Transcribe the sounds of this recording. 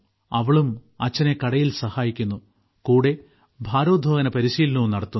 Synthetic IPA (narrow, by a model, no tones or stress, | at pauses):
ɐʋɐɭumɐt͡ɕːɐne̞kɐɽɐjilsɐhaːjikʲːunːu | kuːɽe̞ | bʱaːɾoːd̪ʱoːɣɐnɐpɐɾiɕiːlnunɐɽɐt̪ːun